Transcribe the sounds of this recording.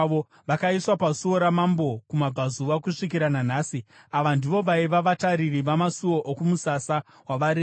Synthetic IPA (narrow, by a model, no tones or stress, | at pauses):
o | ʋakaiswapasuo̞ɾamambo̞kumabʱazuʋakuʂik̬iɾananaːsi | aʋandiʋo̞ʋaiʋaʋataɾiriʋamasuo̞ʔokumusasa | waʋaɾe